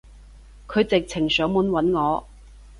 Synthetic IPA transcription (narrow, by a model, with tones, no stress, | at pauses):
kʰɵ˨˧ɥt͡sɪ˨k̚t͡sʰɪ˨˩ŋsœː˨˥ŋmu˨˥nwɐ˨˥nŋɔː˨˧